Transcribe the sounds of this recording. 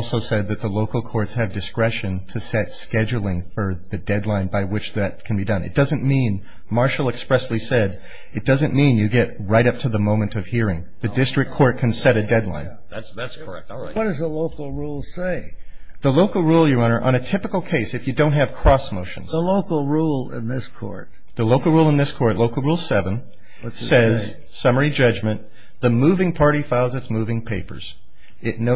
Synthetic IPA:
ɔlˠsoʊsɛd̪̚ðɨt̪̚ðəloʊkl̩ˠkʰɔɹtshɨvdɨskɹɛʃɨ̃ntʰɨsɛtskɛd͡ʒl̩ˠɪ̃ŋfə˞ðɨdɛdˡlãɪ̃nbaɪwɨt͡ʃðɨt̚kʰn̩bidʌ̃nɨ̰t̚d̥ʌzɨ̃n̩mĩn | mɑɹʃl̩ˠɨkspɹɛslisɛɾ | ɨt̚d̥ʌzɨ̃nmĩnjɨɡɛt̚ɹaɪɾʌp̚tʰɨðəmõʊ̃mɨ̃ntʌv̥hiɹɪ̃ŋ | ðɨdɪstɹ̥ɨk̚ʰːɔɹt̚kʰɨ̃n̩sɛɾɨdɛdˡlã̰ɪ̃n | ðætsðætskʰə˞ɛ̰k̚t | ɪwʌd̥ʌzðəloʊkl̩ˠɹulˠseɪ | ðəloʊkl̩ˠɹulˠjɨ˞ʌ̃nə˞ʔə̰̃ñɨtʰɪpɨkl̩ˠkʰeɪsɨfjɨdõʊ̃nt̚ɦɨv̥kʰɹ̥ɔsmoʊʃnz̥əloʊkl̩ˠɹulˠɪ̰̃nðɪskʰɔ̰ɹt̚ | ðəloʊkl̩ˠɹulˠə̃nðɪskʰɔɹtˡloʊkl̩ˠɹulˠsɛvə̃n | sɛz | sʌmə˞id͡ʒʌd͡ʒmɨ̃n | ðɨmuvɪ̃ŋpʰɑɹɾifaɪlˠzɨtsmʉvɪ̃ŋpʰeɪpə̰˞z̥ | ɪtⁿno

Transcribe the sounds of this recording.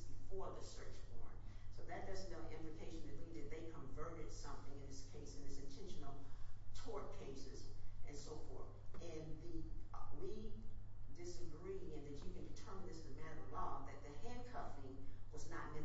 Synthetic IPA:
zb̥ɨfɔɹðɨsɜ˞t͡ʃfɔ̰ɹ̰̃ŋsoʊðɨt̚d̥ʌzɨ̃ɪ̃lˠiʔɪ̃mplɨkʰeɪʃɨ̃n̩ðɨtˡlid̪ɨt̪̚ðeɪkʰə̃ɱvɜ˞ɾɨd̥sʌ̃mθɪ̃ŋɨ̃nðɪskʰeɪsɨ̃nðɪsɨ̃ntʰɛ̃nʃɨ̃nl̩ˠtʰɔɹt̚kʰeɪsɪz̥ɨ̃nsoʊfɔ̰ɹθʔɨ̃nðɨwi | dɪsɨɡɹiɪ̃ŋɨ̃nðɨt͡ʃɨkɨ̃ndɨtʰɜ̃˞mn̩ðɪsɨmæɾə˞əlɔ̃ʊ̃ŋðɨt̪̚ðɨhæ̃nkʰʌfɪ̃ŋwʌznət̚mɪ̃

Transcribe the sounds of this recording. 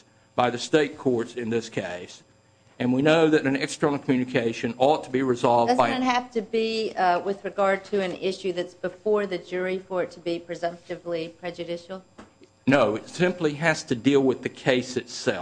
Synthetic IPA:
b̥aɪðɨsteɪt̚kʰɔɹtsɨ̃nðɪskʰeɪs | ɨ̃nwinoʊðɨɾɨ̃n̩ɛkstɹ̥ə̃ñ̩ˠkʰm̩jʉnɨkʰeɪʃɨ̃nɔtʰəbiɹɨzɑlˠvʌbaɪ̃nɦæftɨbiwɪðɹɨɡɑɹd̚tʰɨɨ̃nɪʃʉðɨtsb̥ɨfɔɹðɨd͡ʒʊɹifə˞ɨtʰəbipʰɹ̥ɨzʌ̃mp̚tɨvlipʰɹ̥ɛd͡ʒɨɾɪʃl̩ˠ | noʊɨtsɪ̃mpliɦæz̥tʰɨdilˠwɨðɨkʰeɪsɨtsɛ

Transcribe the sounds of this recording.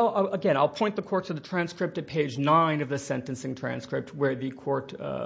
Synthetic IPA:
lˠəɡɛ̃ɾ̃aɪlˠpʰɔ̃ɪ̃nðəkʰɔɹtʰɨðɨtʰɹ̥æ̃nskɹɪp̚tɨt̚pʰeɪd͡ʒnãɪ̃nʌvðɨsɛ̃ntɨ̃nsɪ̃ŋtʰɹ̥æ̰̃nskɹɪp̚t̚wə˞ðɨkʰɔɹt

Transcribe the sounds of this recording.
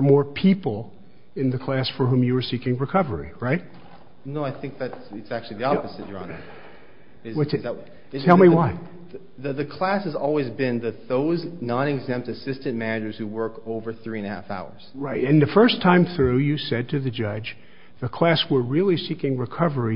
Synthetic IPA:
ə˞mɔɹpʰipl̩ˠ | ɨ̃nðɨkʰl̥æsfə˞ɦũmjɨwə˞sikɪ̃ŋɹɨkʰʌvə˞ḭɹaɪt̚ | noʊaɪθɪ̃ŋk̚ðætɨtsæk̚t͡ʃʉl̩ˠiðiɑpɨzɨt͡ʃə̰˞ə̰̃n | wʌ | tʰɛlˠmiwaɪ | ðɨðɨkʰl̥æshɨzɔlˠwizbɪ̃nðɨt̪̚ðoʊznɑ̃ñɨɡzɛ̃mp̚tɨsɪstɨ̃nmænɨd͡ʒə˞z̥huwɜ˞koʊvə˞θɹiɨ̃nɨhæ̰fa̰ʊə̰˞z̥ɹaɪtɨ̃nðɨfɜ˞stʰãɪ̃mθɹʉjɨsɛd̚tʰɨðɨd͡ʒʌd͡ʒ | ðɨkʰl̥æswə˞ɹɪlˠisikɪ̃ŋɹɨkʰʌvə˞i

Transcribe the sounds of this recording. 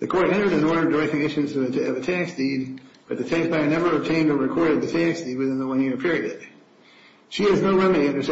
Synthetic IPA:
ðɨkʰɔɹɾɛ̃ñtə˞ɾɨ̃nɔɹðə˞də˞ɛk̚tɨ̃ŋɪʃɨ̃zʌʌvɨtʰæksd̥id̚b̥ʌt̪̚ðɨtʰæksb̥aɪə˞nɛvə˞ɨb̚tʰẽɪ̃ndə˞ɹɨkʰɔɹɾɨv̚ðɨtʰæksd̥id̚wɨθɪ̃nðəwʌ̃njɪɹpʰɪɹiɨd̥ | ʃiɨznoʊɹɛmɨɾiʌ̃ndə˞s

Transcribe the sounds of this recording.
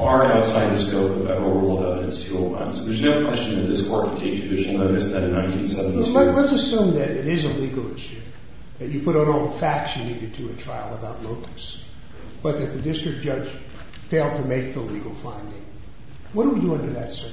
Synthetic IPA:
ɑɹaʊtsaɪd̪̚ðɨskoʊpɨfɛ̰və˞olˠdaɾɨ̃nɨtsfʰjʉl̩ˠtʰã̰ɪ̃mz̥kʰʌzjɨɨvəkʰw̥ɛst͡ʃɨ̃n̩ðɨt̪̚ðɪskʰɔɹt̚kʰɨ̃tʰeɪk̚tʰbɪʃl̩ˠnoʊɾɨsðɨ̃ɾɨ̃nãɪ̃ntʰĩnsɛvn̩ələtsɨsʉ̃mðɨɾɪɾɪzəliɡl̩ˠɪʃʉ | ðɨt͡ʃɨpʰʊɾn̩ɔlˠðəfæksjɨniɾɨd̚tʰɨɨtʰɹ̥aɪlˠəbaʊtˡloʊkɨ̥s | b̥ʌt̪̚ðɨt̪̚ðɨdɪstɹ̥ɨk̚d̥ʒ̥ʌ̥d͡ʒ̥ | feɪlˠd̚tʰɨmeɪk̚ðəliɡl̩ˠfãɪ̃ndɪ̃ŋ | wʌɾwɨʌ̃ndə˞ðɨtsə

